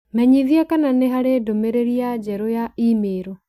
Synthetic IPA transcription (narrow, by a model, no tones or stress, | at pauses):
mɛɲiðiakananeɦaɾedomeɾeɾiad͡ʒɛɾojaimeːɾo